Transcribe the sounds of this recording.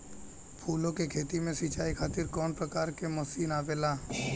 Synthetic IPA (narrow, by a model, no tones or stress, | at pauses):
pʰuːlõkekʰeːt̪imẽsit͡ʃaːikʰaːt̪ɪɾkɔːnpɾəkaːɾkemɔsiːnaːʋeːlaː